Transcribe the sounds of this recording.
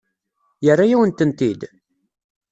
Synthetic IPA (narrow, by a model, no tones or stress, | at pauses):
jərːajæwənt̪ənt̪id̪